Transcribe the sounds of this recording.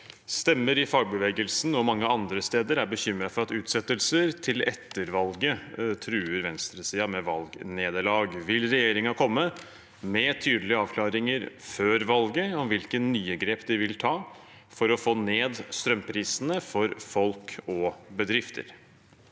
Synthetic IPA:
st̪ɛmːəɾɪfɑːɡ̚bəʋɛːɡəlsn̩ɔmɑŋːəɑnd̪ɾəst̪eːd̪əɾæɾbəçʏmːɾɑfɔɾɑt̪ʉːt̪sɛt̪ːəlsəɾt̪ʰɪlɛ̰t̪ːəɾʋɑlɡət̪ʰɾʉːəɾʋɛnst̪ɾəsiːɑmɛʋɑlɡneːd̪əɭɑːɡʋɪlɾɛjeːɾɪŋɑkʰɔmːə | mɛt̪ʰyːd̪əlɪəɑːʋkʰlɑːɾɪŋəɾføːɾʋɑlɡəɔmʋɪlkənnyːəɡɾeːpd̪ɪʋɪlt̪ʰɑː | fɔɾɔfoːneːd̪st̪ɾœmpʰɾiːsnəfɔɾfɔlkɔbəd̪ɾɪft̪ʰə̰ɾ

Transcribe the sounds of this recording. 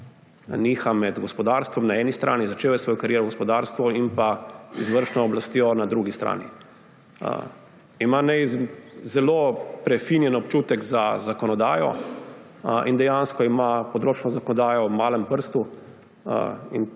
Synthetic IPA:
niːxamɛd̪ɡɔspɔd̪aːɾst̪ʋɔmnaɛːnist̪ɾʔa̰ːnizat͡ʃeːʋajsʋɔːjɔkaɾjeːɾɔɡɔspɔd̪aːɾst̪ʋɔinpaizʋəɾʃnɔːblast̪jɔnad̪ɾuɡist̪ɾa̰ːnḭ | imanɛzɛloːpɾɛfinjɛnɔpt͡ʃuːt̪ɛɡzazakɔnɔd̪aːjɔ̰ | ind̪ɛjanskɔimapɔd̪ɾoːt͡ʃnɔzakɔnɔd̪aːjɔwmaːləmpəɾst̪u | ḭn

